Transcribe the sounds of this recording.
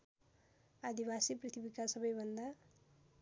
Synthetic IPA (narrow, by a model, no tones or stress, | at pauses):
ad̪ibasiprit̪ʰibikasʌbʌjbʱʌnd̪a